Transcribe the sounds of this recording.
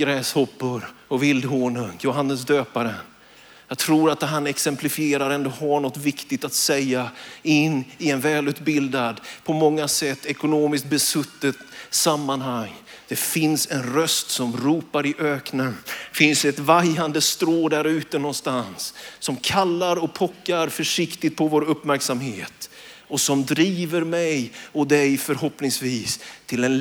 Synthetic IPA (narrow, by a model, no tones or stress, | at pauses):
ɡɾɛːshɔpːʊɾɔvɪld̪ɦoːɳɵŋjʊɦanːəs̬d̪øːpaɾən | jɑt̪ʰɾuːɾat̪ɦanɛksɛmplɪfɪeːɾaɾɛnd̪ɔɦaɳɔt̪ːvɪkt̪ɪɡt̪at̪sɛjːaɪnːɪɛnvɛːlʉ̟ːt̪bɪld̪ad̪pʰɔmɔŋːasɛt̪ːɛkʊnoːmɪskt̪̚bɛsɵt̪ːət̪samːanɦaŋ | d̪̥ɛfɪnsɛnɾœst̪sɔmɾuːpaɾɪʔøːknənfɪnsɛt̪vajand̪əst̪ɾoːd̪æɾʉ̟ːt̪ənɔnst̪ansːɔmkʰalːaɾɔpʰɔkːaɾfœʂɪkt̪ɪt̪̚pʰɔvoːɾɵpːmæɾksamheːt̪ | ɔsɔmd̪ɾiːvəɾmɛjɔd̪ɛjfœɾhɔpnɪŋsviːst̪ʰɪlɛn